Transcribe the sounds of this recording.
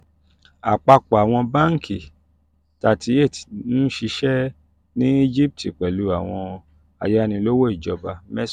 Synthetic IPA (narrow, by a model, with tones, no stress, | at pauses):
a˨k͡pa˧k͡pɔ˨a˨w̃ɔ̃˧ba˦ŋ̩˦˨kʰi˨ | ta˦˨ti˨˦e˦˨ti˨ñ̩˦ʃi˧ʃɛ˦ | nĩ˦i˦d͡ʒi˦p̚tʰi˨k͡pɛ˨lu˨˦a˨w̃ɔ̃˧ | a˧˨ja˦˧nĩ˧lo˦wo˦i˦˨d͡ʒɔ˧ba˧mɛ˦s